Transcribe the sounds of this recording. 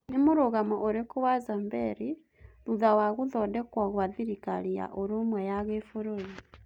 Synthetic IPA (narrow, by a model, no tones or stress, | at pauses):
nimuɾuɣamoʔoɾikuwazambeɾi | ɾuðawaɣuðodekwaɣuaðiɾika̰lija̰ʔoɾumwejaɣefuɾuli